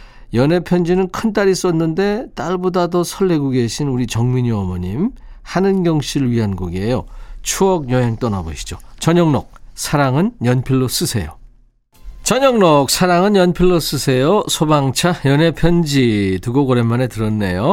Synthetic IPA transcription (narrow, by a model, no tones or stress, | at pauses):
jʌne̞pʰjʌnd͡ʑinɯnkʰɯnt͈aɾis͈ʌnːɯnde̞t͈aɭbodadosʰʌɭːe̞ɡoɡe̞ɕʰinuɾit͡ɕʌŋmiɲiʌmʌɲimhanɯnɡjʌŋɕʰiɾɯɭɥiɦanɡoɡejot͡ɕʰuʌɡ̚jʌɦeŋt͈ʌnaboɕʰi̥d͡ʑot͡ɕʌɲʌŋno̰k̚sʰaɾaŋɯnjʌnpʰiɭːos͈ɯsʰe̞jo̰ | t͡ɕʌɲʌŋnok̚sʰaɾaŋɯnjʌnpʰiɭːos͈ɯsʰe̞josʰobaŋt͡ɕʰajʌne̞pʰjʌnd͡ʑituɡoɡʌɾemːane̞tɯɾʌnːe̞̰jo